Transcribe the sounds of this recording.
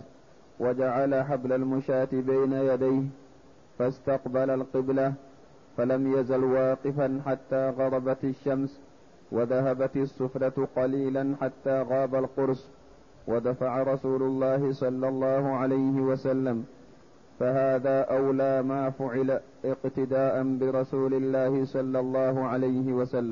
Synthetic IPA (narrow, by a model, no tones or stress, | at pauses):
wʔad͡ʒaʕalaħablalmʊʃaːt̪ɪbajnajad̪ajh | fast̪ɑqbalalqɪbla | falamjazalwɑːqɪfanħat̪ːaːɣɑɾˤɑbat̪ɪʃːams | waðaɦabat̪sˤːʊfɾˤɑt̪qɑliːlanħat̪ːaːɣɑːbalqʊɾs | wad̪afaʕaɾˤɑsuːlʊlˤːɑːhɪsˤɑlːɑlˤːɑːhʊʕalajhɪwasalːam | fahaːðaːʔawlaːmaːfʊʕɪla | ʔɪqt̪ɪd̪aːʔanbɪɾˤɑsuːlɪlːaːhɪsˤɑlːɑlˤːɑːhʊʕalajhɪwasalːam